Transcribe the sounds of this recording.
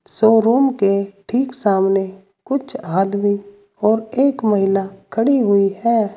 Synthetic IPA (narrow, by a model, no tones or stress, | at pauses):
soːɾuːmkeʈʰiːksaːmne | kʊt͡ʃʰaːd̪mi | ɔːɾeːkməɦɪlakʰəɽiɦʊihɛː